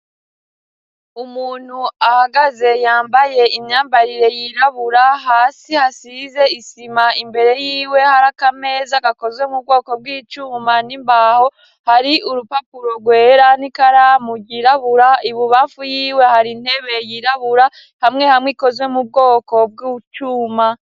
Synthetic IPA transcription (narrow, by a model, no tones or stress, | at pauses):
umuːn̥huahaɡaze̞jaːmbaje̞ʔimɲaːmbaɾiɾe̞jiɾaβuɾaɦaːsihasize̞isimaimbe̞ɾe̞jiːwe̞haɾakame̞ːzaɡako̞zwe̞mub̚ɡo̞ːko̞b̚ɡiːt͡ʃuːmanimbaho̞ | haɾiuɾupapuɾo̞ɡwe̞ːɾanikaɾamuɟiɾaβuɾaiβuβafujiːwe̞haɾin̥he̞βe̞jiɾaβuɾa | hamŋe̞hamŋiko̞zwe̞mub̚ɡo̞ːko̞b̚ɡuːt͡ʃuːma